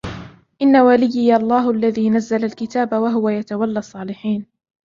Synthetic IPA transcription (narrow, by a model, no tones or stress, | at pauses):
ʔɪnːawalɪjːɪjɑlˤːɑːɦʊʔalːaðiːnazːalalkɪt̪aːbawaɦʊwajat̪awalːɑsˤːɑːlɪħiːn